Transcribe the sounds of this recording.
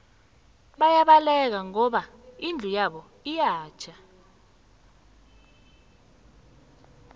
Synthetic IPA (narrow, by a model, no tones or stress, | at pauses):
ɓajaɓalɛk̬aŋɔɓa | ind͡ɮʱujaɓɔ | ijaːt͡ʃʰa